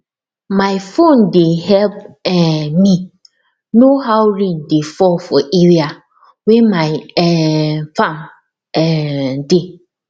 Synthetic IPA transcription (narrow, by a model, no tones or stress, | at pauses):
maɪfondehɛp̚ɛmi | noɦawɾĩndefɔfɔʔeɹia | wɛmaɪɛfãm | ɛde